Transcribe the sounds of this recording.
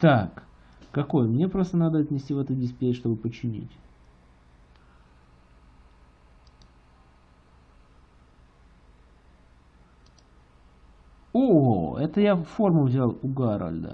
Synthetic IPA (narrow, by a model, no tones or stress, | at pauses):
t̪akː | ɐko̞jəmnʲe̞pɾo̞st̪ənad̪əɐt̪ʲnʲɪsʲtʲivɛt̪ʊdʲɪsʲpʲeʂt̪o̞bɨpət͡ɕːɪnʲḭtʲ | oɛt̪əjaformʊvzʲalˠʊɡaɾə̰lʲd̪ə̰